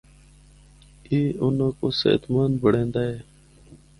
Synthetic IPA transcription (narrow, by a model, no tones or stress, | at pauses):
iːʊnãːkoːsḛːt̪maːnbəɽẽːnd̪aːɦeː